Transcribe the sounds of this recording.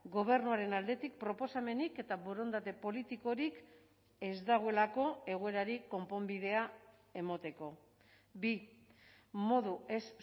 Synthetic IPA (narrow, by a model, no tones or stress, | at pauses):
ɡo̞β̞e̞rnuaɾe̞nald̪e̞t̪ik̚pɾo̞po̞same̞nike̞t̪aβoɾo̞nd̪at̪e̞po̞lit̪iko̞ɾik | e̞zd̪aɣ̞oe̞lako̞e̞ɣ̞oe̞ɾaɾiko̞mpo̞mbið̞e̞a | e̞mot̪e̞ko̞ | bi | mo̞ðue̞s